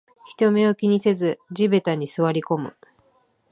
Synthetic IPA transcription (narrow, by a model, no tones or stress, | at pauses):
çi̥t̪o̞me̞o̞kʲiɲ̟ise̞zɨd͡ʑibe̞t̪aɲ̟isɨβaɾʲiko̞mɯ̟̰